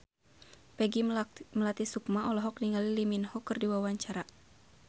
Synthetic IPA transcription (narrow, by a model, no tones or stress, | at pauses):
pɛɡiməlat̪isukmaɔlɔɦɔk̚niŋaliliminhɔkɨrdiwawaɲt͡ʃaɾa